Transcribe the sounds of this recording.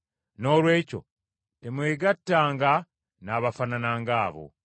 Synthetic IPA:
no̞ːlwe̞ːco̞̰ | temweːɡatːaːŋɡa | naːβafananaːŋɡaːβo̞̰

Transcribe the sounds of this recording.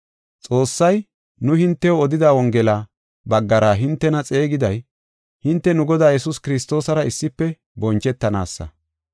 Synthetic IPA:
t͡sʼo̞ːsːɐj | nʊhɪnt̪ːɛoːd̪ɪd̪aːwɔŋɡɛlaː | bɐɡːɐɾaːɦɪnt̪ːɛnɐt͡sʼe̞ːɡɪd̪ɐj | hɪnt̪ːɛnʊɡɔd̪aːjɛsʊskɪɾɪs̬t̪o̞ːsɐɾɐɪsːɪpːɛ | bɔnt͡ʃɛt̪ːɐna̰ːsːɐ̰

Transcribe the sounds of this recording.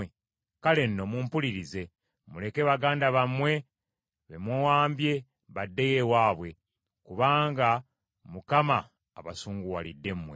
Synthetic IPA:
e | kale̞nːo̞muːmpuliɾize̞ | mule̞ke̞βaɡaːndaβamwe̞ | βemwowaːmbje̞ | βadːejewaːβwe̞ | kuβaːŋɡa | mukamaː | βasuːŋɡuwalidːe̞mmwe

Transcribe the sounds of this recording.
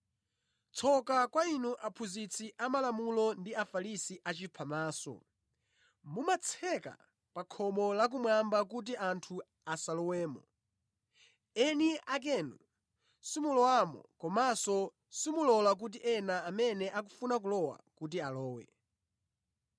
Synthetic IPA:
t͡sʰɔkakwainuʔapʰuzit͡sʰiʔamalamulɔndiafalisiʔat͡ʃipʰamaːsɔ̰ | mumat͡sʰɛka̰ | pakʰɔmɔlak̬umwambakut̬iʔantʰu | asalɔwɛːmɔ̰ | ɛniʔak̬ɛnu | simulɔwamɔ̰kɔmasɔ | simulɔlak̬ut̬iʔɛnaːmɛnɛʔak̬u̥funak̬ulɔwa̰kut̬ialɔːwɛ̰

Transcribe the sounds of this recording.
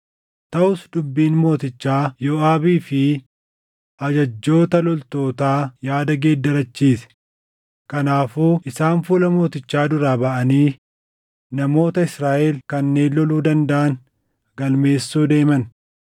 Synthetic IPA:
t̪ɐʔʊsd̪ʊbːiːnmo̞ːt̪ɪt͡ʃːaːjɔʔaːbiːfɪ | ʔɐd͡ʒɐd͡ʒːo̞ːt̪ɐlɔlt̪o̞ːt̪aːjaːd̪ɐɡeːd̪ːɐɾɐt͡ʃːiːsɛ̥ | kɐnaːfuːʔɪsaːnfuːlɐmo̞ːt̪ɪt͡ʃːaːd̪ʊɾaːbɐʔɐniː | nɐmo̞ːt̪ɐɪsɾaːʔɛlkɐnːe̞ːnlɔluːd̪ɐnd̪ɐʔɐn | ɡɐlme̞ːsːuːd̪e̞ːmɐn

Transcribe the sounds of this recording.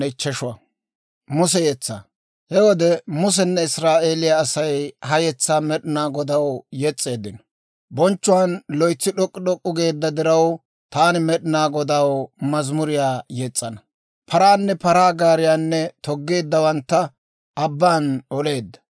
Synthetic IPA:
ɛt͡ʃːɛʃʊwɐ | mʊsɛjɛt͡sːa̰ | hɛwɔd̪ɛmʊs̬ɛnːɛɪsɾaːʔe̞ːlɪjaːsɐjhɐjɛt͡sːaːmɛɗɪnaːɡɔd̪ɐwjɛt͡sʼːe̞ːd̪ːɪnɔ | bɔnt͡ʃːʊwanlɔjt͡sːɪɗɔkʼːɪɗɔkʼːʊɡe̞ːd̪ːɐd̪ɪɾɐw | t̪aːnɪmɛɗɪnaːɡɔd̪ɐwmɐzmʊɾɪjaːjɛt͡sʼːɐnɐ | pʰɐɾaːnːɛpɐɾaːɡaːɾɪjaːnːɛt̪ɔɡːe̞ːd̪ːɐwɐnt̪ːɐ | ɐbːaːnɔle̞ːd̪ːɐ̥

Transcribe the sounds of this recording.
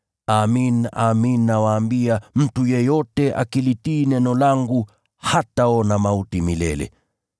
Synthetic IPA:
aminaminːawaːmbiam̩tujɛjɔtɛʔa̰kilitiːnɛnɔlaŋɡu | hataɔnamautimilɛ̰lɛ̰

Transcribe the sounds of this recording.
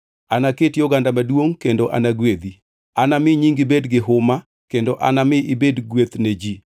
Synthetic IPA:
anaketjɔɡandamadwoŋkendoʔanaɡwed̪i | anamɪɲiŋɡɪbedɡɪɦʊma | kendoʔanamɪʔɪbedɡwet̪ned͡ʒi

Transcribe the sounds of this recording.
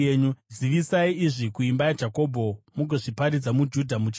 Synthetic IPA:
eɲuziʋisaiiʐikuimbajad͡ʒako̞bʱo̞muɡoʐipaɾid͡zamud͡ʒudʱamut͡ʃ

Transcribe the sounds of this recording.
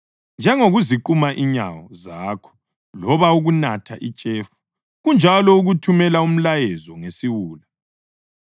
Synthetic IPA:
nd͡ʒʱɛŋoɣuziǃumaʔiɲa̰wɔzaːkʰɔ̥ | lɔβauɣunatʰa̰ʔit͡ʃʼefu̥ | ɣund͡ʒʱalɔuɣutʰumɛlaum̩lajɛzɔŋesiwuːla

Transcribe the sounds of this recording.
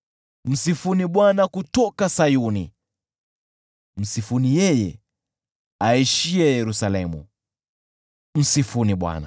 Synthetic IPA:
m̩sifuniɓwanakutɔkasajunḭ | m̩sifunijɛjɛ̰ | aiʃiɛjɛɾusalɛmṵ | m̩sifuniɓwa̰na̰

